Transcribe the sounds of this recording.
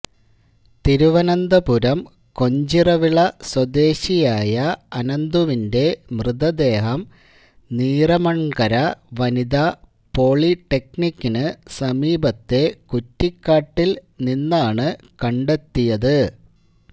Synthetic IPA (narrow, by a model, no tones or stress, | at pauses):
t̪iɾuʋɐnɐnd̪ɐpuɾɐm | ko̞ɲd͡ʑirɐʋiɭɐswɐd̪e̞ːɕijaːjɐɐnɐnd̪uʋinde̞mrɨðɐd̪e̞ːɦɐm | niːrɐmɐɳɡɐɾɐʋɐnid̪ɐ | po̞ːɭiʈːe̞k̚nikʲːinɨsɐmiːbɐt̪ːe̞kutːikːaːʈːilninːaːɳɨ | kɐɳɖe̞t̪ːijɐðɨ